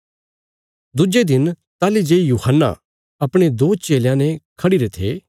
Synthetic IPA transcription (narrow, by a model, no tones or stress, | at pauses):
d̪ʊd͡ʒed̪ɪn | t̪aːlid͡ʒeːijuːhənːa̰ | ɐpɽ̃ed̪oːt͡ʃeːljãnɛ̃kʰɐɽiɾet̪ʰeː